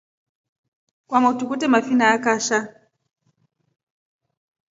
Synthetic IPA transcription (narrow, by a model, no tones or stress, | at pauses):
kwamautukutɛmafinaakaʃa